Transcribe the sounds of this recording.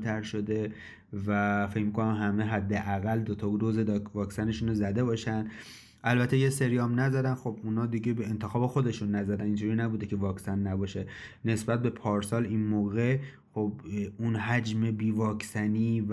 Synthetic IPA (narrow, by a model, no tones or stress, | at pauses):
t̪ʰæɾʃo̞d̪e̞ | væfe̞cmikonæmɦæmeɦæd̪ːeʔæɣæld̪ot̪ʰɒud̪ozed̪ɒvɒːksæne̞ʃuːnozæd̪e̞bɒːʃænd̪ | ʔælbæt̪ʰejese̞ɾijɒːmnæzæd̪ænxo̞bunhɒːd̪iɟebeent̪ʰexɒːbe̞xo̞d̪e̞ʃunːæzæd̪æniːnd͡ʒʰuːɾiːnæbuːd̪e̞cʰe̞vɒːksænːæbɒːʃe̞ | ne̞sbæt̪̚be̞pʰɒːɾsɒːlinmoːɣe̞ | xobunɦæd͡ʒme̞biːvɒːkʰsæniː